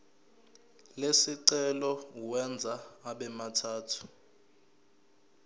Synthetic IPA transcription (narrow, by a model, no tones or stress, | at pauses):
lesiǀɛlɔwɛnd͡zʱaːɓɛmatʰaːtʰu̥